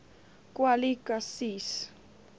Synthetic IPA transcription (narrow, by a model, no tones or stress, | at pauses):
kʼwalikʼasis